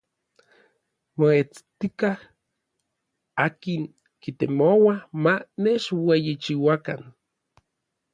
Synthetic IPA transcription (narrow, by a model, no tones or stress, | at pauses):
moet͡st̪ikah | aːkiŋ | kit̪emowamaneʃwejit͡ʃiwakan